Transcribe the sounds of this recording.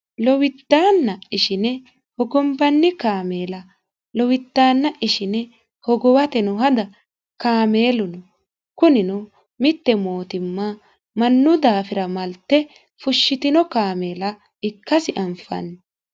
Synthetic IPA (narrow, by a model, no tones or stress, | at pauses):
lɔwɪt̪ːaːnːɐɪʃɪnɛ | hɔɡɔmbɐnːɪkaːmeːlɐ | lɔwɪt̪ːaːnːɐʔɪʃɪnɛ | hɔɡɔwɐt̪ɛnɔɦɐd̪ɐ | kaːme̞ːlʊnɔ | kʊnɪnɔ | mɪt̪ːɛmo̞ːt̪ɪmːa | mɐnːʊd̪aːfɪɾɐmɐlt̪ːɛ | fʊʃːɪt̪ɪnɔkaːmeːlɐ | ɪkːɐsɪʔɐmfɐ̰nːɛ